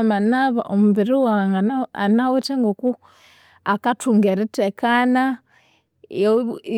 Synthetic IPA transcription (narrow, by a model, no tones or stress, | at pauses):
manaβa̰ʔomuβiɾiwaŋɡaaa̰naweteŋɡoku | akatuŋɡeɾitekana | j